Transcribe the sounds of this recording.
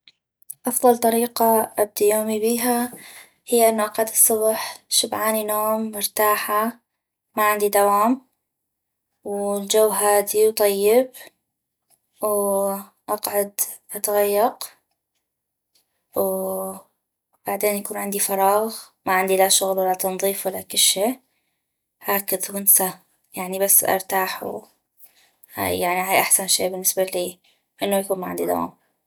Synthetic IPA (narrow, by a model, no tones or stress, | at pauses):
ʔɑfðˤɑlt̪ˤɑɾiːqɑʔab̚d̪ijoːmibiːɦa | hɪjːaʔɪnːuʔɑqʕʊd̪ɨsˤːʊbħʃʊbʕaːninoːmːʊɾt̪aːħa | maʕɪnd̪id̪awaːm | wld͡ʒawːɦaːd̪iwt̪ˤɑjːɪb | w | ʔɑqʕʊd̪ | ʔat̪aɣajːɑq | w | b̥aʕd̪eːnjakuːnʕɪnd̪ifɑɾˤɑːɣ | maʕɪnd̪ilaʃʊɣlwalːat̪ɑnðˤiːfwalːakʊlːʃeːʔ | haːkɪðwʊnsa | jaʕnibasːʔɑ̰ɾˤt̪aːħw | ha̰jjaʕniɦaːjʔaħsanʃḛːbɪnːɪsbaliː | ʔɪnːʊjakuːnmaʕɪnd̪id̪ɑ̰a̰m